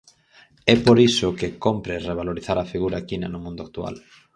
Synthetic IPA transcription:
ɛpoɾisokekompɾereβ̞aloɾiθaɾafiɣuɾakina̰nomũnd̪oak̚t̪ua̰l

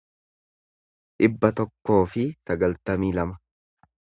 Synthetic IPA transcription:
ᶑɪbːɐt̪ɔkːo̞ːfɪsɐɡɐlt̪ɐmiːlɐmɐ

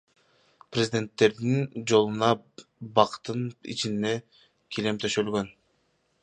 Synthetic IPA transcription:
prʲezʲid̪ʲe̞nt̪ːe̞ɾd̪ind͡ʒo̞lˠunɑbɑqt̪ɯnḭt͡ʃinne | kʰile̞mt̪ʰøʃølɡø̞n

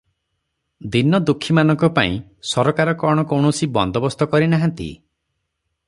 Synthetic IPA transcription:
d̪inɔd̪ukʰːimanɔŋkɔpa̰ḭ̃sɔɾɔkaɾɔkɔɽ̃ɔkɔwɳɔsibɔnd̪ʱɔbɔst̪ɔkɔɾinaɦãnt̪ḭ

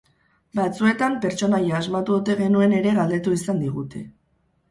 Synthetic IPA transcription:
bat͡sue̞t̪ampe̞ɾt͡ʃo̞najaːzmat̪uot̪e̞ɣe̞nue̞ne̞ɾe̞ɣald̪e̞t̪uisand̪iɣ̞ut̪e̞̰

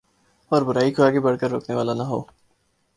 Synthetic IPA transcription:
ɔːɾbʊɾaːikʰoaːɡebɐɽkəɾːo̰ːkneʋaːlanaɦo̰ː

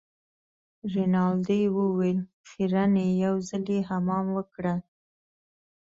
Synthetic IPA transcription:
ɾinɑld̪ewəwel | xiɾanejawzaljeɦamɑmwəkɽə

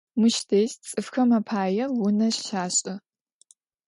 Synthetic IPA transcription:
mʊʃtʰeːst͡sʼɨfxɐmɐpʰaːjɛwʊnɐɕʃaːɕʼɐ

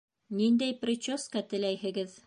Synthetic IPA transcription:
nind̪æjprʲɪt͡ɕoskɑt̪ɘ̆læjhɘ̆ɡɘð

